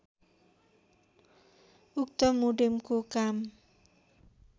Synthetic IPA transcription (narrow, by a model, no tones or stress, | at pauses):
uk̚t̪ɔmuɖɪmkukam